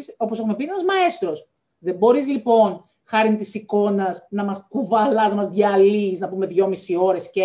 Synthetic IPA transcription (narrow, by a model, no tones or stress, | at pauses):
so̞posexume̞pienɐzmɐe̞st̪ɾo̞s | ðe̞bo̞ɾizlipo̞n | xɐɾint̪isiko̞nɐznɐmɐskuvɐlɐznɐmɐzðʝɐliznɐpume̞ðʝo̞misio̞ɾesce